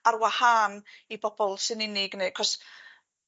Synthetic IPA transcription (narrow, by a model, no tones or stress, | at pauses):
arwahaːnibɔb̥ɔlˠsɨnɪnɪɡnekʰɔs